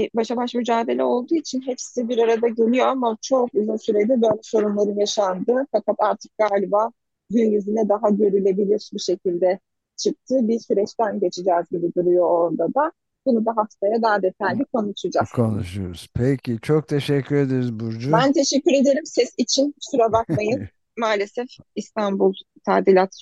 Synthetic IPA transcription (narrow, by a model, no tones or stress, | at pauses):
baʃabaʃmyd͡ʒaːd̪e̞lʲɛo̞lˠd̪uːit͡ʃʰinɦɛpsizibiɾaɾad̪aɟelʲijo̞amat͡ʃʰo̞kyzynsyɾed̪ibøjlʲɛso̞ɾumlˠaɾɯnjaʃand̪ɯfakʰat̪ʰaɾt̪ʰɯ̥k̚ɡ̥aːlʲibaː | ɟynjizinɛd̪aɦaɟø̞ɾylʲe̞bilʲiɾʃbiʃe̞cʰilʲd̪ɛ | t͡ʃʰɯk̚t̪ʰɯbiɾsyɾɛt͡ʃt̪ænɟe̞t͡ʃʰid͡ʒɛːzɟibid̪uɾujo̞oɾd̪ad̪a | bunud̪aɦaft̪ʰajad̪aɦad̪e̞t̪ʰajlʲikʰo̞nuʃad͡ʒakʰonuʃujoɾuz̥pʰecʰʲit͡ʃʰok̚t̪ʰeʃɛcʰːyɾed̪eɾizbuɾd͡ʒubænt̪ʰe̞ʃɛcːyɾe̞d̪e̞ɾimsɛsit͡ʃʰinsuɾabak̚mˠajɯ | maːlʲe̞sɛfist̪ʰanbulˠt̪ʰaːd̪ilʲat̪